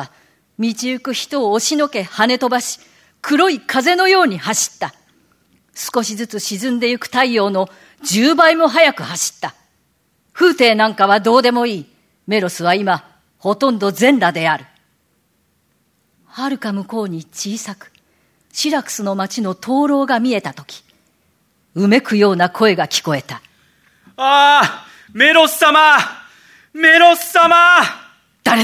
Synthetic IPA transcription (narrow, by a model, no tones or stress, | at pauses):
mʲit͡ɕiɯ̟kɯ̟çi̥t̪o̞ːɕino̞ke̞hane̞t̪o̞baɕi̥ | kʰɯ̟ɾo̞ikʰaze̞no̞jo̞ːɲ̟ihaɕi̥t̪ːa | sɨ̥ko̞ɕizɨt͡sɨɕizɨ̃nd̪e̞jɯ̟kɯ̟̥t̪aio̞ːno̞ | d͡ʑɨːbaimo̞ɦajakɯ̟haɕi̥t̪ːa | ɸɯ̟ːt̪e̞ːnãŋkaβ̞ad̪o̞ːd̪e̞mo̞iː | me̞ɾo̞sɨβaima | ho̞t̪õ̞nd̪o̞zẽ̞nɾad̪e̞aɾɯ̟ | haɾɯ̟kamɯ̟ko̞ːɲ̟it͡ɕiːsakɯ̥ | ɕiɾakɯ̟̥sɨno̞mat͡ɕino̞t̪ʰo̞ːɾo̞ːɡamʲie̞t̪at̪o̞̥kʲi̥ | ɯ̟me̞kɯ̟jo̞ːnakʰo̞e̞ɡakʲi̥ko̞e̞t̪a | a | me̞ɾo̞sama | me̞ɾossama | d̪̥a